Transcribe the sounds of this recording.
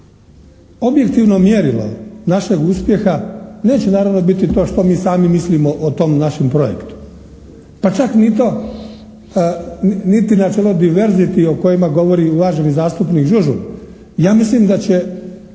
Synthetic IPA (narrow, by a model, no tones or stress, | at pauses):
o̞bje̞kt̪iʋno̞mjeɾilo̰naʃe̞ɡuspje̞xane̞ːt͡ɕenaːɾaʋno̞bit̪it̪o̞ːʃt̪o̞miːsaːmimislimoʔot̪o̞mnaʃempɾo̞jḛkt̪u̥ | pat͡ʃaknit̪o̞ | nit̪inat͡ʃelod̪iʋeɾzit̪ioko̞jimaɡo̞ʋo̞ɾiuʋaːʒenizaːst̪upnikʒuʒṵ | jaːmislimd̪at͡ɕe̞